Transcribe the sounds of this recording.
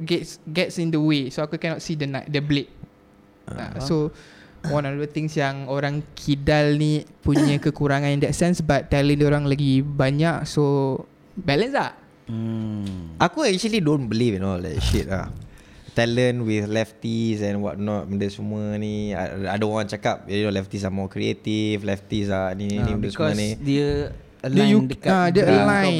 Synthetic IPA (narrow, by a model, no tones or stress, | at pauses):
ɡɛtsɡɛtsĩndəwesoakukɛnɔt̚sidənat̚dəblet̚ | a̰sowãnɔfdət̪ɪ̃ŋsjaŋoɾaŋkʰidalnipuɲə̃kəkuɾaŋãnĩndɛtsɛ̃nsbat̪ːɛlə̃ndioɾaŋlaɡibaɲakso | bɛlə̃nslah̩ | ʔakuɛk̚t͡ʃəlidõnbəlivinɔla̰ʃit̚a̰ | t̪ɛlənwiθlɛft̪isɛ̃nwɔ̰t̚nɔt̚mədəsumuənia̰adaoɾãŋt͡ʃakap̚noʔlɛft̪is̬amɔkɾiet̪iflɛft̪isaninĩmədəsumənidiə | əlaəjudəkadəəlãj